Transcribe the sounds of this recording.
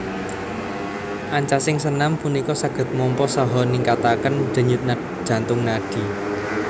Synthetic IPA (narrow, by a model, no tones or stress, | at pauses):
ʔaɲt͡ʃasɪŋsənampunikɔsaɡ̥ə̤t̪̚mɔmpɔsɔɦɔniŋkat̪akənd̥ə̤ɲʊt̪̚nḁ | ʒ̥a̤nt̪ʊŋnaɖ̥i̤